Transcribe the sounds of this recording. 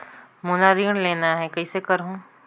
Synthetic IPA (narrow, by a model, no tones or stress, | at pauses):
munaɾiːəɳ̃leːnaɦɛkɐisekɐɾɦũː